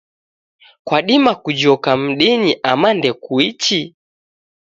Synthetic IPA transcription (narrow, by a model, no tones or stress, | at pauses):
kwaɗimakud͡ʒɔkam̩ɗiniʔamandɛkuit͡ʃi